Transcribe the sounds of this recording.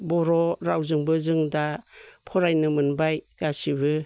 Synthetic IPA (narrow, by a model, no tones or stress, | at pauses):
bɔɾoɾawzɯŋbɯzɯŋdapʰoɾajnɯmɯnbajɡ̥asiβɯ